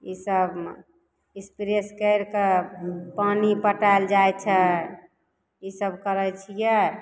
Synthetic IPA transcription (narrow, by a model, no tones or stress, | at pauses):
isəb | espiɾeskəɪɾkepanipəʈajld͡ʒajt͡ʃʰɛ | isəbkəɾət͡ʃʰijɛ